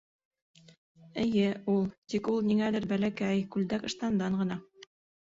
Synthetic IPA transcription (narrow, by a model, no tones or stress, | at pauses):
ɘ̆jɘulˠt̪ikulˠniŋælɘɾbælækæjkʉld̪ækɤ̆ʃt̪ɑnd̪ɑɴɢɤ̆nɑ